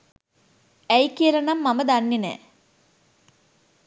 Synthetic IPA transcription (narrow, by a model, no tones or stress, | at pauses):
ɛjkːiɾɐnɐmːɐmɐd̪ɐnːinḛ